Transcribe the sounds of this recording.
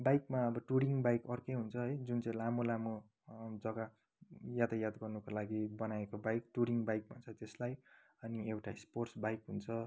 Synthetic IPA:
bajkmaʌbʌʈuɾiŋɡbajkʌrkʌjɦunt͡sʰʌɦʌjd͡zunt͡saĩlamolamo | d͡zʌɡa | jat̪ajad̪ɡʌrnukolaɡibʌnaekobajkʈuɾiŋbajkmat͡sʰʌt̪eslaj | ʌniewʈasporsbajkɦunt͡sʰʌ

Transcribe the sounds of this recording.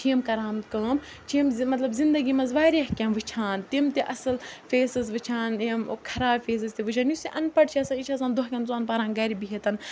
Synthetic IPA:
t͡ʃʰimkɐɾaːmt̪kɐːm | t͡ʃʰimmɐt̪lɐbzind̪ɐɡimɐzʋaːɾiɦkʲãːnʋɨt͡ʃʰaːnt̪imt̪iʔɐsɐlfʲeːsɐzʋɨt͡ʃʰaːnimkʰɐɾaːbfʲeːs̬ɐzt̪iʋɨt͡ʃʰaːnjusiʔɐnpɐʈt͡ʃʰiasanit͡ʃʰaːs̬ãːnd̪oɦkʲɐnt͡suɐnpaːɾaːnɡɐɾibiɦet̪ɐn

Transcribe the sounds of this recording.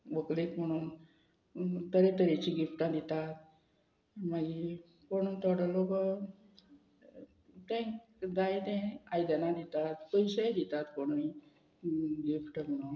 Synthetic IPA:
ʋəklekm̤əɽ̃uːn | t̪əɾẽt̪əɾet͡ɕĩɡifʈãd̪it̪at̪̚ | maɡi | koɽ̃uːnt̪ɔɽəlokə | t̪ɛ̃k | d̪at̪ɛ̃ajd̪ənãd̪it̪at̪pəjsed̪it̪at̪koɽni | ɡifʈəm̤əɽ̃uːn

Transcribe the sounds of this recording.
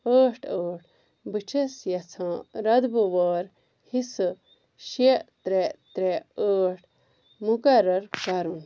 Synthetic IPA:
əːʈʰəːʈ | bɨt͡ʃʰɐsjɐt͡sʰãːɾɐd̪buʋoːɾ | hisɨ | ʃiʔt̪ɾet̪ɾeəːʈʰ | mukɐɾɐɾkɐɾun

